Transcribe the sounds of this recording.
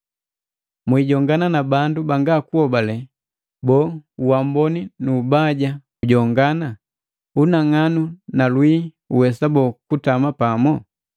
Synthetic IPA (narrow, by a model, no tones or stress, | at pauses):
mwiːɟɔŋɡananabandubaŋɡakuhɔbalɛ | bɔːuwambɔninuːbaɟa | uɟɔŋɡana | unaŋanunalwi | uwɛsabɔkutamapamɔ